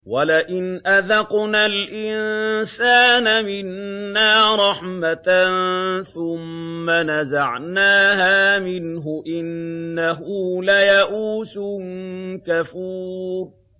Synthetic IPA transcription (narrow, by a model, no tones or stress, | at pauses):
walaʔɪnʔaðɑqnaːlʔɪnsaːnamɪnːaːɾˤɑħmat̪nθʊmː | anazaʕnaːhaːmɪnɦʊʔɪnːaɦuːlajaʔuːsʊ | kafuːɾ